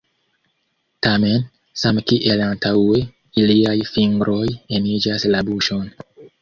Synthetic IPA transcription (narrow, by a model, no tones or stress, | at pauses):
tame̞n | samkiʔelantawe̞ | iliajfiŋɡɾʔojenid͡ʒaslabuʃo̞n